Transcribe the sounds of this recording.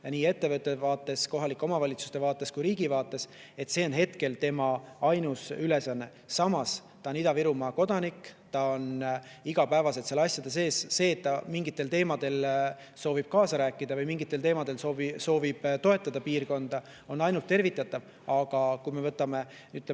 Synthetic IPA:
jɑniːe̞t̪ːe̞vɤt̪ːˑe̞vɑːt̪ːˑe̞sko̞ɦɑlikːˑo̞mɑvɑlʲit̪su̥st̪e̞vɑːt̪ːˑe̞skujɾiːɡ̥ivɑːt̪ːˑe̞s | e̞t̪se̞ːo̞nɦe̞t̪ke̞lt̪e̞mɑɑjnusyle̞sɑnːe̞ | sɑmɑst̪ɑonid̪̥ɑviɾumɑko̞d̪̥ɑnikːt̪ɑo̞n | iɡ̥ɑpæevɑse̞t̪selɑsjɑd̪̥es̬e̞ːsːe̞ːt̪ːɑmiŋɡit̪ːˑe̞lt̪e̞ːmɑd̪̥e̞l | so̞ːvib̥̚kɑːsɑɾæːkːˑid̪ɑvɤjmiŋɡit̪ːˑe̞lt̪e̞ːmɑd̪e̞lsoviso̞ːvib̥t̪o̞e̞t̪ːˑɑd̪ɑpiːrko̞nd̪̥ɑ | o̞nɑjnult̪ːe̞rvit̪ːˑɑt̪ːˑɑv | ɑɡ̥ɑkujme̞vɤ̞t̪ːˑɑme̞ | yt̪ː

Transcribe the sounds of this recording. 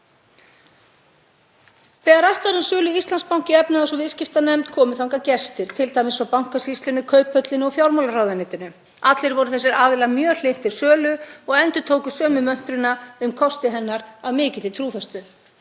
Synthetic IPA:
fɛːɣaɾaht̪vaɾʏmsʏːlʏist̪lanspawŋ̥cɪɛpnaas̬ɔvɪðscɪft̪anɛmt̪kʰɔːmʏθawŋkacɛst̪ɪɾ̥t̪ʰɪlt̪ajmɪsfawpawŋ̥kasist̪ʏnʏkʰœːɥpœt̪lɪnʏɔfjawɾmawlaɾawðɪnɪːt̪ɪnʏ | at̪lɪɾvɔɾʏθɛsːɪɾaːvɪlamjœːl̥ejn̥t̪ʰːɪɾ̥sœːlʏɔɣɛnt̪ʏ̥t̪ʰoːwkʏsœːmʏmœn̥t̪ɾʏnaʏmkʰɔst̪ɪɦɛnːaɾaðmɪːcɪt̪ɪt̪ʰɾuːfɛst̪ʏ

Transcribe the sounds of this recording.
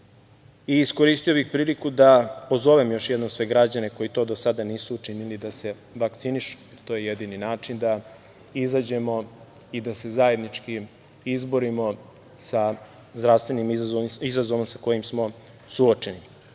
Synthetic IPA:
iːsko̞ɾiːst̪ijo̞bixpɾiːlikud̪apo̞zo̞ʋe̞mjo̞ʃjed̪nomsʋe̞ɡɾad͡ʑane̞ko̞jit̪o̞ːd̪osad̪aniːsuːt͡ʃinilid̪ase̞ | ʋakt̪siniʃu̥jeɾt̪o̞jejed̪ininaːt͡ʃind̪a | izad͡ʑe̞mo̞ | id̪ase̞zaje̞d̪nit͡ʃki | izbo̞ɾimo̞ | sa | zd̪ɾaʋst̪ʋe̞nimzazoizazo̞ʋomsako̞jimsmo̞ | suot͡ʃe̞ni

